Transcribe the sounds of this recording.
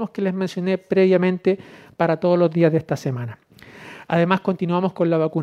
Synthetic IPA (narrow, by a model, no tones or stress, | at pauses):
moskelezmensjo̞nepɾeβjamẽnt̪epaɾat̪oð̞olo̞zðiazðest̪asemana | a̰ðe̞masko̞nt̪inwamo̞skonlaβaku